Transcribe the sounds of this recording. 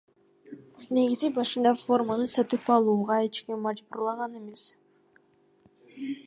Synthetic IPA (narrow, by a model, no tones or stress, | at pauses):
ne̞ɡʲizibɑʃɯnd̪ɑfo̞rmanɯsœt̪ɯpɑlˠuːʁɑet͡ʃkʲimmɑd͡ʒbuɾlˠɑʁɑne̞me̞s